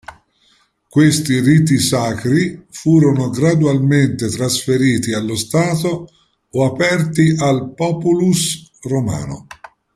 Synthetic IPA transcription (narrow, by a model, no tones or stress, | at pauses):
kwest̪irit̪̬isaːkɾifuːɾonoɡɾad̪ualment̪et̪ɾasfeɾiːt̪ialːost̪aːt̪oː | apɛrt̪ialpɔːpulusroma̰ːno̰